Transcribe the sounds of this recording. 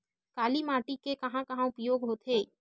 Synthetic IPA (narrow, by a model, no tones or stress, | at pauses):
kaːlimaːʈikekɐɦãkɐɦãʊpjoːɡɦoːt̪eː